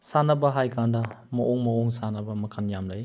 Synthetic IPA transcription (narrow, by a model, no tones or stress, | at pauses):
sanɐbɐɦajkʰandɐmɐʔoŋmɐoŋsanɐbɐmɐkʰɐnjamlɐj